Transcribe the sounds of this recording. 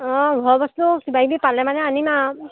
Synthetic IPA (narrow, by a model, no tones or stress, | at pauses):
ɔɡʱɔɹbɔstusibajbipalɛmanɛanima